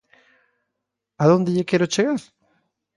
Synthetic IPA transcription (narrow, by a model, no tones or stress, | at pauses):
aðond̪eʝekjeɾot͡ʃeɣaɾ